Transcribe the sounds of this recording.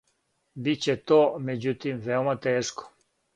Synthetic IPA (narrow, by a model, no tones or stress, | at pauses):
bit͡ɕet̪omed͡ʑut̪imvewmat̪eʂko̥